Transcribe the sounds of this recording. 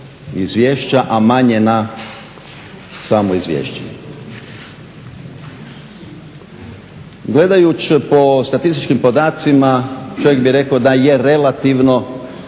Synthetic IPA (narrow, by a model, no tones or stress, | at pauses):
izʋʲjeːʃt͡ɕaʔamaɲena | saːmoizʋʲjḛːʃt͡ɕe | ɡle̞d̪ajut͡ɕpo̞st̪at̪ist̪i̥t͡ʃkimpo̞d̪aːt̪simat͡ʃo̞ʋjeɡ̚biɾe̞kaod̪ajeɾelat̪iʋno̞